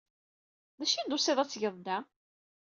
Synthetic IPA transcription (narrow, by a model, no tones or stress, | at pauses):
ðæʃind̪oseðˤæt͡sːʝəðˤd̪æ